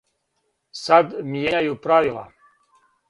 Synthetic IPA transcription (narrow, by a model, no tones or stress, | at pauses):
sad̪mijeɲajupɾaʋilˠa̰